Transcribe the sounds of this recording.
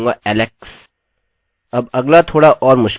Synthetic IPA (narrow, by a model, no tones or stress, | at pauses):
ŋɡa̰ʔɛːleks | ɐbɐɡlat̪ʰoːɽaʔɔːɾmʊʃ